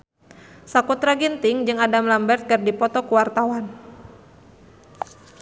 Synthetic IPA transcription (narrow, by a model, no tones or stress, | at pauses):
sakut̪ɾaɡint̪ɪŋd͡ʒɨŋadamlambɛrt̪̚kɨrdipɔt̪ɔkuwart̪awan